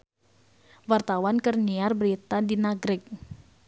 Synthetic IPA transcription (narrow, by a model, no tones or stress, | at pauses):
wart̪awankərniarbəɾit̪adinaɡɾɪk̚